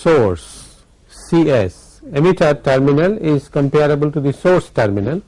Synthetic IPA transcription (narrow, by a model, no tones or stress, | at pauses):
soːɾsː | iːes | emiʈʰəʈəɾmɪnəlɪzkə̃mpeːɾəbəlʈud̪isoːɾsʈəɾmɪnəl